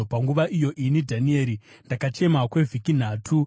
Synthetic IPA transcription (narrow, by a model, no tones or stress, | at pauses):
paŋɡuʋaʔijo̞ʔinidʱanie̞ːɾi | ndakat͡ʃe̞makwe̞vʱikin̤aːtʰu